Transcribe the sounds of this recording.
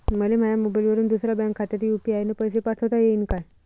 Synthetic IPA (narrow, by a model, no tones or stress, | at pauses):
məlem̤ajamobajlʋəɾuːnd̪usɾabɛ̃ŋkʰːat̪aɾiupiajnəpəjs̬epaʈʰət̪ajeinkaj